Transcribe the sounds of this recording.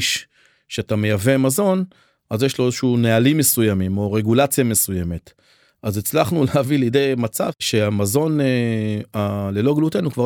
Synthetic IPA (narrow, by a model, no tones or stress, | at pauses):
ʃ | ʃeatame̞javemazo̞n | azjeʃlo̞ezeʃuunealime̞sujamimo̞ʁe̞ɡulat͡sjame̞suje̞me̞t | ʔazit͡slaχnulehavilijdejmat͡sa̰vʃe̞amazo̞neale̞loɡlutenukva